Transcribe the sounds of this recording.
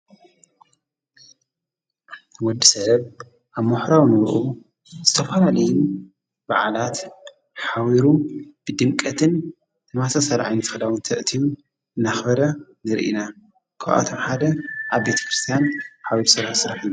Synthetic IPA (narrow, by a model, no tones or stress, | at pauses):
wɔd̪ːisɐβ | ʔaβmuħɾawnɨɾʔu | z̥ɨt̪ʰɐfalalɐjun | ba̰ʕalat̪ | ħawiɾub̥ɨd̪ɨmkʼɐt̪ʰɨn | ɨmasʰɐsɐlʕa̰jnɨt̪ʰxɨlawɨnt̪ʰɐʔt̪ʰijun | ɨnːaxbɐɾɐnɨɾ̰ʔḭna | kʰawʔa̰t̪ʰomħad̪ɐʔaβbe̞t̪ʰɐ̥kɾɨst̪ʰijanħawiɾsɨɾħsɨɾɐħinːu